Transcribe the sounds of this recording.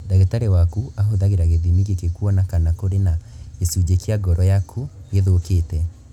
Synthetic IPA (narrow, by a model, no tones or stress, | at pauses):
daɣetaɾewakuaɦoðaɣeɾaɣeðimiɣekekuɔnakanakoɾenaesud͡ʑekiaɡɔɾɔjakʰuɡeðokeːtɛ